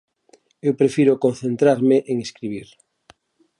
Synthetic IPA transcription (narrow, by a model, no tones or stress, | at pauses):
ewpɾefiɾokonθẽnt̪ɾaɾmeʔeŋeskɾiβiɾ